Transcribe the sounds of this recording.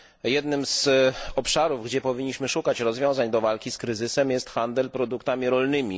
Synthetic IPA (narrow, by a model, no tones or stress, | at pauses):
jɛd̪nɘmzɔpʂaɾuvɡd͡ʑɛpɔvʲiɲːiɕmɘʂukat͡ɕɾɔzvʲɔ̃w̃zaɲd̪ɔvalkʲiskɾɘzɘsɛmjɛst̪xand̪ɛlpɾɔd̪ukt̪amʲiɾɔlnɘmʲi